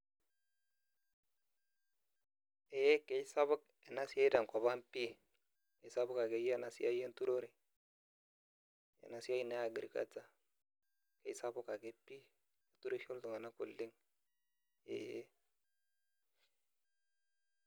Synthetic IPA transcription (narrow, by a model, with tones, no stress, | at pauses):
e˨je˦ke˦sa˦βʊ˦k | e˨na˦si˦a˦i˦da˨ŋ˨kɔ˨βa˦npi˦ | ke˨˦sa˦bʊ˦ka˨ɡe˨˦je˦na˨sḭ˦a˦je˦ntu˦ɾo˦ɾe˨ | ḛ˨na˨si˦a˦i˦˨na˨˦ja˨ɡi˨ɾi˨ka̰˦t͡sa˦ | ke˦sa˦bʊ˦ka˨ɡe˦pi˦˨ | tu˦ɾe˦ʃo˦ltu˨ŋa˨na˦kʊ̰˨lːɪ˦ŋ | ḛ˨je˦